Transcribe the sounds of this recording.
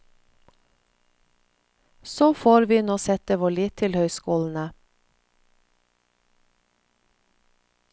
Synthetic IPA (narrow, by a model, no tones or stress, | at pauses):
soːfoːɾʋiːnoːsɛt̪əʋoːɭiːt̪ʰɪlhœʏskuːln̩ə